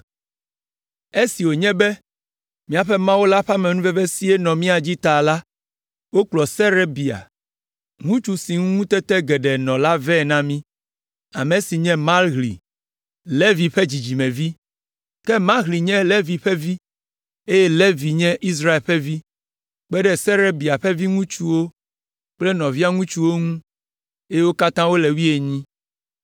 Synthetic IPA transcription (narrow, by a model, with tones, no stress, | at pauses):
e˦si˨wo˨ɲɛ̃˦bɛ˦ | mĩ˦a˨ɸɛ˦mã˦wo˦la˦ɸa˦mɛ̃˨nũ˦vɛ˦bɛ˦si˦e˦nɔ̃˨mĩ˦a˨d͡ʑi˦t̪a˨la˦ | wo˦k͡plɔ˨sɛ˦ɾe˦bi˨a̰˨ | ŋũ˦t͡ʃu˦si˨ŋũ˦ŋũ˦t̪ɛ˦t̪ɛ˦ɡɛ˨ɖɛ˨nɔ̃˨la˦vɛ˦˨nã˦mĩ˦ | a̰˨me˨si˨ɲɛ̃˦mã˦lɣlḭ˨ | le˦vi˨ɸe˦d͡ʑi˨d͡ʑi˨mɛ̃˨vi˦ | kɛ˦mã˦lɣli˨ɲɛ̃˦le˦vi˨ɸe˦vi˦ | e˦je˦le˦vi˨ɲɛ̃˦ʔi˦s̬ɾa˦e˨lɸe˦vi˦ | k͡pɛ˦ɖɛ˦sɛ˦ɾe˦bi˨a˨ɸe˦vi˦ŋũ˦t͡ʃu˦wo˦ | k͡ple˦nɔ̃˨vi˦a˦ŋũ˦t͡ʃu˦wo˦ŋũ˦ | e˦je˦wo˦ka˦t̪ã˦wo˦le˨wi˦e˨ɲĩ˦